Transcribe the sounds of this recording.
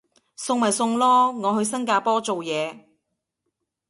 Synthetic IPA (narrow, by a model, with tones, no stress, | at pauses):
sʊ˧ŋmɐ˨˩jsʊ˧ŋlɔː˥ŋɔː˨˧ɦɵ˧ɥsɐ˥ŋkaː˧pɔː˥t͡so˨wjɛː˨˧